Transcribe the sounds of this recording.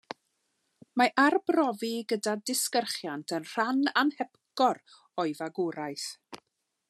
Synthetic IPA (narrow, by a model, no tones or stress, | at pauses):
maʔarbrɔviɡədadɪskərχjantʰənr̥ananhɛpkɔr | ɔɨvaɡuɾajθ